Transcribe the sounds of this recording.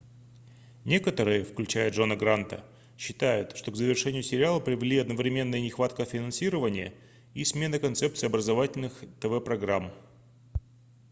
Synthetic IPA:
nʲe̞kət̪əɾɨjəfklʲʉt͡ɕæjəʐo̞nəɡɾant̪ə̰ | ɕːɪ̥t̪ajʊt̪ʂt̪o̞ɡzəvʲɪrʂɛnʲɪjʊsʲɪɾʲɪalˠəpɾʲɪvʲɪlʲiɐd̪nəvɾʲɪmʲe̞nːəjənʲɪxvat̪kəfʲɪnɐnsʲiɾəvənʲɪjə̰ | ismʲe̞nəkɐnt̪sɛpt̪sɨjɐbɾəzɐvatʲɪlʲnɨxt̪əvɛpɾɐɡɾam

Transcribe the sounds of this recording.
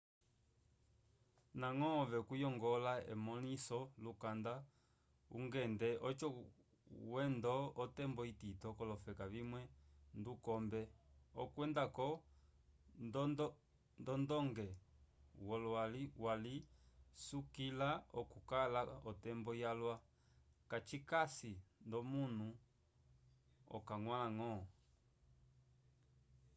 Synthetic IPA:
naŋɔvɛkujɔŋɡɔlaɛ̰mɔnisɔlukanda | ṵŋɡɛndɛʔɔt͡ʃɔ | wɛndɔːtɛmbɔititɔkɔlɔfɛkavimwɛndukɔmbɛɔkwɛndakɔ | d | ndɔndɔŋɡɛwɔlaliwalisukilaɔkukalaɔtɛmbɔjalwa | kat͡ʃikasindɔmun̤u | ɔ̰kaŋwalaŋɔ

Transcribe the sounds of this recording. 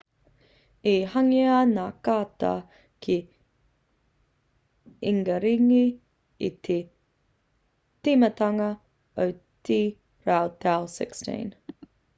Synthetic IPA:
ihɐŋiɐnaːkaːt̪a̰ | kʰi | iŋɡɐɾiŋi | it̪ʰe | timətɐŋɐ | owti | ɾawt̪ʰalsɪ̰kstḭn

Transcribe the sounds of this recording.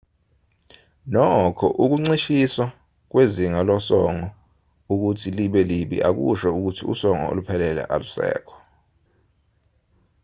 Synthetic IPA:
nɔkʰɔ̰ʔuk̬uŋ͡ǀiʃiswa | k̬weziŋalɔsɔŋɔ | uk̬utʰiliɓɛliɓḭʔak̬ṵʃɛuk̬utʰiṵsɔŋɔ̰o̰lupʰɛlɛlɛ̰ʔalusɛ̰ːkʰɔ̥

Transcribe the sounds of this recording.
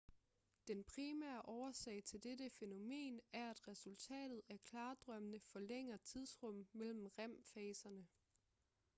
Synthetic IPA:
d̥enpʰʁimæ̰ɐʔɒʊɐsɛ̰ːɪt͡sʰe̝ld̥edəfe̝no̝me̝̰ːnæɐæd̥ʁɛsult͡sʰɛ̰ːd̥ð̞̩ˠæɐkʰlɑ̈ːd̥ʁɶmənəfɒ̽leŋ̰ɐt͡sʰið̞ˠsʁɔ̽m̰mel̰m̩ʁam̰fɛːsɐnə

